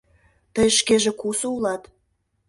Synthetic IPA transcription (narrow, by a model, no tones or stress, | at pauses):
t̪əjʃkeʒĕkusəulɑt̪